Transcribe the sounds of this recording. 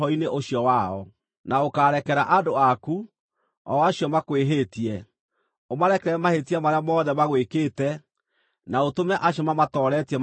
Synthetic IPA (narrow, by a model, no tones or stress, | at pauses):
ɔineʔoɕjɔwaɔ̰ | naokaːɾɛkɛɾaʔadoaku | ɔaɕjɔmakweɦetiɛ | omaɾɛkɛɾɛmahetiamaɾeamɔːðɛmaɣwekeːtɛ | naotomɛʔaɕiɔmamatɔɾɛtiɛ